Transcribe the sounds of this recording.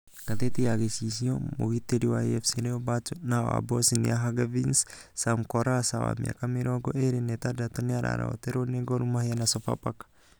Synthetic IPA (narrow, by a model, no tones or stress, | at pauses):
kat̪et̪iaɡesis̬iomoɡit̪ediwaiɛfsiɾeobat͡ʃunaa̰bɔsinḭaɦaɡavins | samkɔɾasawa̰mḭa̰kamiɾɔɡɔʔeɾenɛt̪adat̪ɔniaɾa̰ɾa̰o̰t̪eɾoneɡɔɾumaɦianasɔpa̰pakḁ